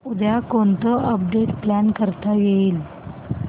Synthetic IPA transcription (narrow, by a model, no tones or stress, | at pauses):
ud̪jakont̪əəp̚ɖeʈplænkəɾt̪ajeiːl